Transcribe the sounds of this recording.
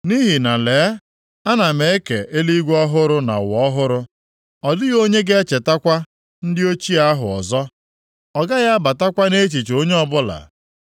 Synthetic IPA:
ni˦ɦi˨na˨leː˨˦ | a˦na˨me˨e˦ke˨ʔe˦li˦ɡʷɔ˦ɦʊ˦ɾʊ˦na̰˨wɔ˦ɦʊ˦ɾʊ˦ | ɔ˨dʊ˦ɣo˦ɲe˦ɡe˦t͡ʃe˨ta˦kʷa˦ | n̩˦dɪ˦o˦t͡ʃi˦a˦ɦʊ˨ɔ̰˨zɔ˦ | ɔ˨ɡa˦ɣa˦a˦ba˨ta˦kʷa˦ne˦t͡ʃi˨t͡ʃo˦ɲe˦ɔ˦bʊ˦la̰˨

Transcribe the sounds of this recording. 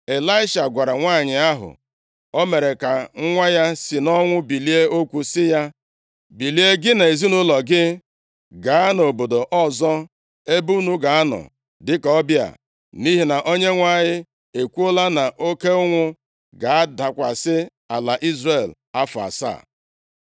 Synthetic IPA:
e˨la˦ɪ˦ʃa˨ɡʷa˨ɾa˨ŋʷa˦˨ɲɪ˨a˦ɦʊ̰˨ | o˦me˨ɾe˨ka˨ŋ̩˦ŋʷa˦ja˦sɪ˨nɔ˦ŋʷʊ˦bi˨li˦e˦o˦kʷu˦sɪ˦ja˦ | bi˨li˦e˦ɡɪ˦na˨e˨zi˦nʊ˦lɔ˨ɡɪ˦ | ɡa˨a˦no˨bo˨do˨ʔɔ˦zɔ˦ | e˦bu˦nu˦ɡa˨a˦nɔ̰˨ | dɪ˦ka˨ɔ˦bja̰˨ | ni˦ɦi˨na˨ʔo˦ɲe˦ŋʷa˦˨ɲɪ˦ | e˨kʷu˦o˦la˦na˨ʔo˦ke˦ʊ˦ŋʷʊ˦ | ɡa˨a˦da˨kʷa˨sɪ˦ | a˨la˨ʔi˦zre˦˨l | a˦fʊ˨a̰˨sa̰˦˨

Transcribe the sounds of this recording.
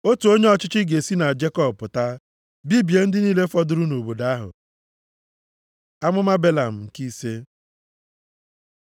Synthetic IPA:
o˦tu˨o˦ɲe˦ɔ˦t͡ʃɪ˦t͡ʃɪ˦ɡe˨si˦na˨d͡ʒe˦kɔ˦b̚pʊ˨ta˦ | bi˦bje˨n̩˦dɪ˦niː˦le˦fɔ˦dʊ˨ɾʊ˦no˨bo˨da˦a˦ɦʊ̰˨ | a˦mʊ˦ma˦be˦la˨m̩˨ŋ̩˨ki˦se˦

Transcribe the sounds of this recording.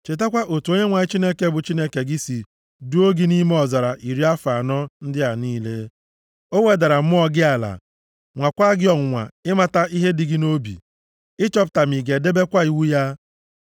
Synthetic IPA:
t͡ʃe˨ta˦kʷa˦ʔo˨tu˨˦o˦ɲe˦ŋʷa˨ɪ˦t͡ʃi˦ne˦ke˨bʊ˨t͡ʃi˦ne˦ke˨ɡɪ˦si˨ | du˦o˦ɡi˦ni˦me˦ɔ˨za˨ɾa˨ʔi˨ɾi˦a˦fa˨nɔ˦n̩˦dɪ˦a˨niː˦le˦ | o˦we˦da˨ɾa˨m̩˦ɔ˦ɡɪ˦a˨la̰˨ | ŋʷa˨kʷa˦ɡɪ˦ɔ˨ŋ̩˨ŋʷa̰˨ɪ˦ma˨ta˦ʔi˦ɦe˦dɪ˨ɡɪ˦no˦bḭ˨ | ɪ˦t͡ʃɔ˦p̬ta˨mi˨ɡe˨de˦be˦kʷa˦i˨wu˦ja˦

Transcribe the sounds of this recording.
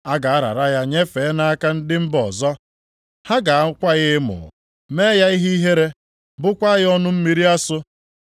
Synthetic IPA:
a˦ɡa˨a˦ɾa̰˨ɾa˦ja˦ɲe˦fe˨˦na˦a˦ka˦n̩˦dɪ˦m̩˦bɔ˨zɔ˦ | ha˦ɡa˨˦kʷa˦ɣɪ˦mʊ̰˨ | meː˦ja˦i˦ɦe˦i˦ɦe˦ɾe˦ | bʊ˦kʷa˦ɣɪ˦ɔ˦nʊ˦m̩˦mi˦ɾi˦a˦sʊ˦

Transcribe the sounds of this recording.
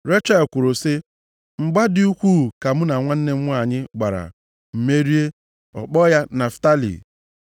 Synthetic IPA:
ɾe˦t͡ʃa˦˨kʷʊ˨ɾʊ˨sɪ˦ | ŋ͡m̩˨ɡ͡ba˦di˦u˦kʷu˦˨ka˨m̩˦na˨ŋʷa˦n̩˦ne˦m̩˦ŋʷ˦a˦˨ɲɪ˦ɡ͡ba˨ɾa̰˨ | m̩˨me˦ɾi˦e˦ | ɔ̰˨k͡pɔ˦ja˦na˨fta˦lḭ˨

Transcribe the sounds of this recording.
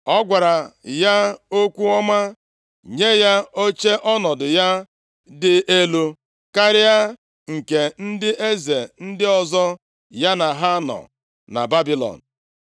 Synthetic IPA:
ɔ˦ɡʷa˨ɾa˨ja˦o˦kʷu˦ɔ˦ma˦ | ɲe˦ja˦o˦t͡ʃe˦ʔɔ˦nɔ˨dʊ˨ja˦ | dɪ˦e˦lu˦ | ka˦ɾɪ˦a˦ | ŋ̩˨ke˨n̩˦dɪ˦ʔe˦ze˨n̩˦dɪ˦ɔ˨zɔ˦ | ja˦na˨ɦa˦nɔ̰˨ | na̰˨ba˦bi˦lɔ̰˨n̩˨

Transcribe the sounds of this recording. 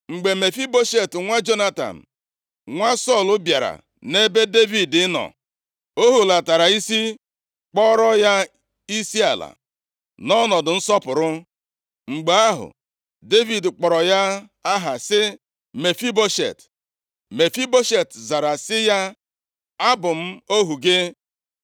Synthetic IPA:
ŋ͡m̩˨ɡ͡be˨me˨fi˦bo˦ʃe˨tŋʷa˦d͡ʒo˦na˦ta̰˨m̩˨ | ŋʷa˦sɔ˦˨lʊ˦bja˨ɾa̰˨ | ne˦be˦de˦vi˨dɪ˦nɔ̰˨ | o˦ɦu˨la˨ta˨ɾa˨i˦si˦ | k͡pɔ˦ɾɔ˦ja˦ | i˦si˦a̰˨la̰˨ | nɔ˦nɔ˨dʊ˨n̩˦sɔ˦pʊ˨ɾʊ˦ | ŋ͡m̩˨ɡ͡be˨a˦ɦʊ̰˨ | de˦vi˨dk͡pɔ˨ɾɔ˨ja˦ | a˦ɦa˨sɪ˦ | me˨fi˦bo˦ʃḛ˨t | me˨fi˦bo˦ʃe˨tza˨ɾa˨sɪ˦ja˦ | a˦bʊ˨m̩˦o˦ɦu˨ɡe˦

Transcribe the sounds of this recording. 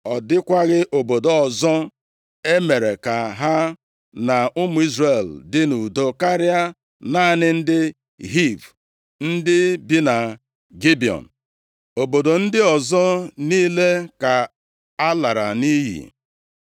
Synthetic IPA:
ɔ˨dɪ˦kʷa˦ɣɪ˦ʔo˨bo˨do˨ɔ˨zɔ˦ | e˦me˨ɾe˨ka˨ɦa˦ | na˨ʊ˦mʊ˨˦i˦zre˨ldɪ˦nu˨do˨ka˦ɾɪ˦a˦ | na˦˨nɪ˦n̩˦dɪ˦ | ɦi˦˨v | n̩˦dɪ˦bi˦na˨ | ɡi˦bi˨ɔ̰˨n̩˨ | o˨bo˨do˨n̩˦dɪ˦ɔ˨zɔ˦niː˦le˦ka˨ | a˦la˨ɾa̰˨ni˦ɦḭ˨

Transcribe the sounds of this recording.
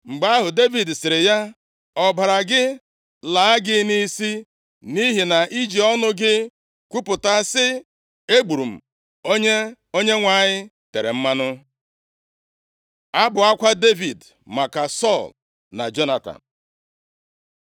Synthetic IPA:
ŋ͡m̩˨ɡ͡ba˦ɦʊ˨de˦vi˨dsɪ˨ɾɪ˨ja˦ | ɔ˨ba˨ɾa˨ɡɪ˦ | la˨˦a˦ɡɪ˦ni˦si˦ | ni˦ɦi˨na˨ʔi˦d͡ʒi˨ɔ˦nʊ˦ɡɪ˦ | kʷu˦pʊ˨ta˦sɪ˦ | e˦ɡ͡bu˨ɾu˨m̩˨ | o˦ɲe˦ | o˦ɲe˦ŋʷa˨ɲɪ˦ | te˨ɾḛ˨m̩˦ma˦nʊ˦ | a˦bʊ˨a˦kʷa˦de˦vi˨d | ma˨ka˨sɔ˦˨l | na̰˨d͡ʒo˦na˨ta̰˨m̩˨

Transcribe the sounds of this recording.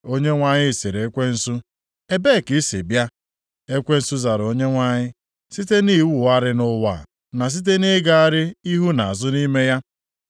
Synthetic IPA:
o˦ɲe˦ŋʷa˨ɲɪ˦˨se˨ɾe˨e˦kʷe˦n̩˦su˦ | e˦be˦˨ki˦sḭ˨bja˦ | e˦kʷe˦n̩˦su˦za˨ɾo˦ɲe˦ŋʷa˦˨ɲɪ˦ | si˦te˦ni˦˨wu˨a˦ɾɪ˦nʊ˦wa̰˨ | na˨s̬i˦t̬e˦ne˦ɡa˨a˦ɾɪ˦i˦ɦu˦na˨a˨zʊ˦ni˦me˦ja˦

